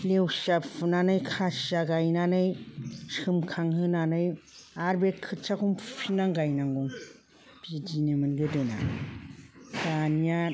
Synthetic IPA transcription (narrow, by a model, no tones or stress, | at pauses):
lewsapfʰɯnanɯjkʰasiaɡajnanɯjsɯmkʰaŋhɯnanɯj | aɾbekʰɯtsakʰumpʰpʰinaŋɡajnaŋɡɔŋ | b̥id͡ʒinemɯnɡɯdɯna̰ | dania